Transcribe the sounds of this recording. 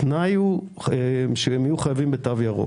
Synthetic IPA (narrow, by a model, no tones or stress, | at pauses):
naju | eʃeemajuχajavimbet̪avjaʁo̰